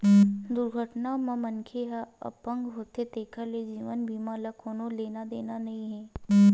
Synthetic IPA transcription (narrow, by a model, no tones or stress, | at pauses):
d̪ʊɾɡʱəʈnamãmənkʰeɦaə̰pə̃ŋɡɦoːt̪et̪eːkʰəled͡ʒiːʋənbʱiːmaːləkoːnoleːnad̪eːnanɐɦĩɦɛː